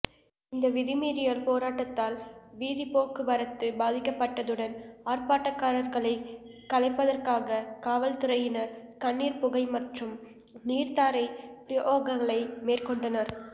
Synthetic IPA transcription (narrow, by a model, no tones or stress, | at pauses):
ɪnd̪ɐʋɪðɪmiːɾɪjalpoːɾaːʈːɐt̪ːaːlʋiːðipoːkɯʋɐɾɐt̪ːɯbaːðɪkːɐpːɐʈːɐðɯɽɐnaːrpaːʈːɐkːaːɾɐɾɣɐɭɐɪkɐɭɐɪpːɐðɐrkaːɣɐkaːʋɐlt̪ɪɾɐjɪnɐɾkɐɳːiːɾpʊɣɐɪmɐʈrɯm | niːɾt̪aːɾɐɪpɪʔoːɣɐɣɐɭɐɪmeːrkɔɳɖɐnɐɾ